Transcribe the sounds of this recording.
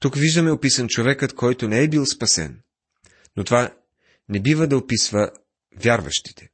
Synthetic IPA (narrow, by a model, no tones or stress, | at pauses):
t̪ukviʒd̪ɐmɛopisənt͡ʃovɛkət̪kʰɔjt̪onɛːbilˠspɐsɛ̰n | not̪ova | nɛbivəd̪ɐopisvə | vʲjaɾvɐ̰ʃt̪i̥t̪ɛ̥